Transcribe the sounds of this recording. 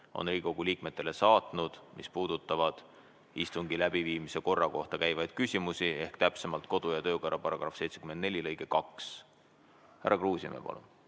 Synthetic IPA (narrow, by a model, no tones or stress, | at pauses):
o̞̰nriːkoɡ̥uliːkme̞t̪ˑːe̞le̞sɑːt̪ˑnud̪̥mʔispuːd̪̥ut̪ːˑɑvɑd̪̥ | ist̪uŋɡilæb̥iviːmise̞ko̞rːɑko̞ht̪ɑkæjvɑjd̪̥kysʲimusie̞hkt̪æpse̞mɑlt̪ko̞d̪̥ujɑt̪ø̞ːkoɾːʔɑpɑɾɑɡ̥ɾɑfse̞jt̪se̞kymend̪nelʲilɤjɡe̞kɑks | hæ̰ɾːɑkruːsʲḭmḛpɑ̰lṵn